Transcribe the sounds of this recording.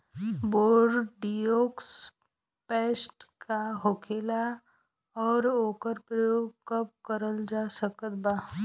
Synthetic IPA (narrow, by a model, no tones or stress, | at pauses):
boːɖɖijoːks | peːsʈkʰaɦokʰeːla | ɔːɾoːkəɾpɾəjoːɡ̚kəp̚kəɾəld͡ʒaːsəkət̪baː